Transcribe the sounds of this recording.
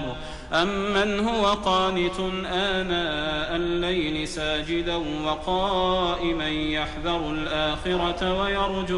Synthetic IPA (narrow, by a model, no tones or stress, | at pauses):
ʔamːanhʊwaqɑːnɪt̪ʊnʔaːnaːʔalːajlɪsaːd͡ʒɪd̪anwɑqɑːʔɪmanjaħðɑɾˤlʔaːxɪɾɑt̪wajɑɾˤd͡ʒ